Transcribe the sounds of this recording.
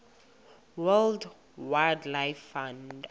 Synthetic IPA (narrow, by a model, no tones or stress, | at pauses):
wɛld | waldlajfːãnd